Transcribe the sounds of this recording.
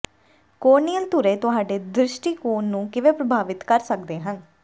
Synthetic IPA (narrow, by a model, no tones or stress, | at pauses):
koːɾnijəlt̪ʊɾeːt̪ʊɦaːɖeːd̪ɾɪʃʈiːkuːnːũːkɪʋeːpɾəbʱaːʋɪt̪kəɾsək̚d̪eːɦən